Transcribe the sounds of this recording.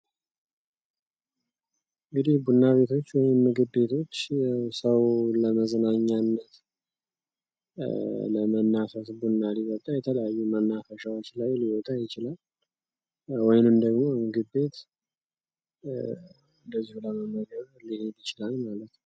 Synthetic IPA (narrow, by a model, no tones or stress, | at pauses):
ɨŋɡɨd̪ihbunːaβe̞t̪ʰo̞t͡ʃːwɔjɪmːɨɡɨbe̞t̪ʰo̞t͡ʃːjawsəwləməznaɲːanːət̪ | lə̰mənːafəsbunːalibət̪ʼːajɛt̪ʰələjajːumənːafəʃawot͡ʃːlajliwɔt̪ʼajɪt͡ʃɪlal | wɔjnɨmd̪əɡmo̞mɨɡɨbːe̞t̪ | ɨnd̪əzːihuləmənəɡəɾ | lihenbit͡ʃɪlalmalət̪nə